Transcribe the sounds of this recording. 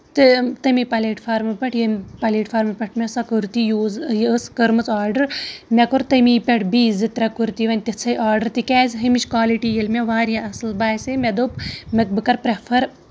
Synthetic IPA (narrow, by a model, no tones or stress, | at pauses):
t̪ɨt̪ɐmipɐlʲeːʈfʰaːɾmɐpɐʈʰjɐmʲpɐleːʈfʰaːɾmɐpɐʈʰmʲesɐkɨɾt̪ijuːzjskəɾmɨt͡saːɾɖɐɾmʲekuɾt̪ɐmipʲeʈʰbiːzɨt̪ɾɐkuɾt̪iʋɐnʲt̪it͡sʰɐjʔaːɾɖɐɾt̪ikʲɛːzʲɦɨmit͡ʃkaːliʈijɐlʲmʲeʋaːɾjaʔɐsɨlbaːjsemʲed̪opmɐk̚bɨkɐɾpɾepʰɐɾ